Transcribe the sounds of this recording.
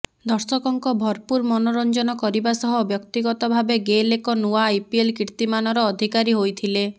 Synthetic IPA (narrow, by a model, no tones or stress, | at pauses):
d̪ɔɾsɔkɔŋkɔbʱɔɾpuɾmɔnɔɾɔnd͡ʒɔnɔkɔɾibasɔɦɔbjɔkt̪iɡɔt̪ɔbʱabeɡelekɔnuaːjpielkiɾt̪imanɔɾɔːd̪ʱikaɾiɦojt̪ʰile